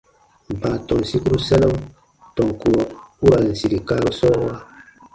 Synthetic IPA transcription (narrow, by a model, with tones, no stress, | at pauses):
m̩˨pa˨tɔ˨si˦ku˦ɾu˦sɛ˦na˦m | tɔ˨ŋku˨ɾɔ˨u˦ɾa˨n̩˨si˨ɾi˨ka˦ɾə˦sɔ˦ɔ˦a˦